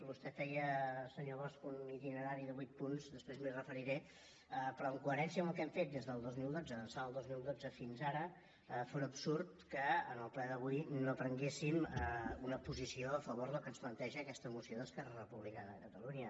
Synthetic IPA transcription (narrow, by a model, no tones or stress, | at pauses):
bust̪ɛɛjəsəɲoβɔskunit̪inəɾaɾiðəβujt̪̚punzd̪əspɾezmirəfəɾiɾɛ | əpɾɔəŋkuəɾɛnsiəməlˠkɛmfet̪̚d̪ezðəlˠd̪ozmilˠd̪od͡zəðənsaəlˠd̪ozmilˠd̪od͡zəfinzaɾə | foɾəpsuɾt̪kəənəlˠplɛðəβujnopɾəŋɡesiməunəpuzisioəfəβoɾðəlˠkənsplənt̪ɛʒəːkɛst̪əmusioðəskɛrərəpuβlikəðəkət̪əluɲə